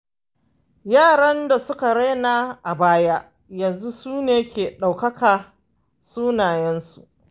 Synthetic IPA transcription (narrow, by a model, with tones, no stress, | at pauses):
jaː˦˨ɽɐ˦nda˨sʊ˦ka˨ɽa˦naː˦ʔa˨baː˦ja˦ | jɐ˨nzu˦suː˦neː˨kʲʰeː˨ɗa˨wkɐ˦kaː˨ | suː˦naː˨jɛ˦nsṵ˨ʔ